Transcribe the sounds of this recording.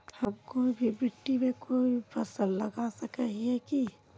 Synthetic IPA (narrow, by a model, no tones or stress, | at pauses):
hɐmkoːibʱibɪʈːimẽkoːipʰɐsəlːɐɡasɐkəɦiɛki